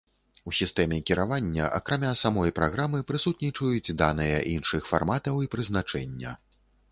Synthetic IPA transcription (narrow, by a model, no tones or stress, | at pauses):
usʲist̪ɛmʲɛkʲiɾavanʲːɐʔɐ̰kɾamʲasamɔjpɾaɣɾamɨpɾɨsut̪nʲit͡ʂɐjut͡sʲd̪anɨjɐʔinʂɨxfa̰rmat̪ɐwipɾɨznat͡ʂɛnʲːɐ̰